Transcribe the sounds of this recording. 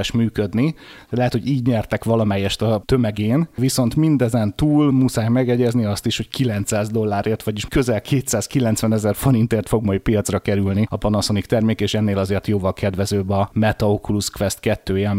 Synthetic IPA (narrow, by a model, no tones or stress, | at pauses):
ʃmyːkød̪nilɛɦɛt̪hʰo̞ɟiːɟɲɛrt̪ɛkʋɒlɒmɛjːɛʃt̪ɒt̪ø̞mɛɡeːnviso̞nt̪mind̪ɛzɛnt̪uːlmusaːjmɛɡɛɟɛzniɒst̪iʃho̞ckilɛnt̪saːzd̪o̞lːaːɾeːrt̪ʋɒɟiʃkø̞zɛlkʰeːt̪saːskilɛnt̪sʋɛnɛzɛrfoɾint̪eːrt̪fo̞ɡmɒjpijɒt̪srɒkɛɾylniɒpɒnosonikt̪ɛrmeːkeːʃɛnːeːlɒzeːrt̪joːvɒlkʰɛd̪ʋɛzøːbɒmɛt̪ɒokuluskʋɛst̪kɛt̪ːøːjɛ